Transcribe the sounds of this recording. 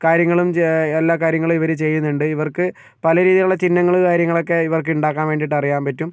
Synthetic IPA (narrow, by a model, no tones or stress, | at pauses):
kaːɾjɐŋːɐɭumelːaːkaːɾjɐŋːɐɭumiʋɐɾut͡ɕe̞jːunːuɳɖɨiʋɐrkɨ | pɐlɐɾiːðijuɭːɐt͡ɕinːɐŋːɐɭukaːɾjɐŋːɐɭo̞kːe̞iʋɐrkɨuɳɖaːkːaːnʋe̞ːɳɖiʈːɐrijaːmpɐtːum